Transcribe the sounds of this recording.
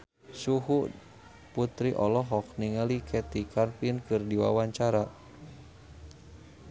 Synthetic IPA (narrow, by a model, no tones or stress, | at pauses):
suɦu | put̪ɾiʔɔlɔɦɔk̚niŋəlikʰɛt̪ikʰanpinkɨrdiwa̰waɲt͡ʃaɾa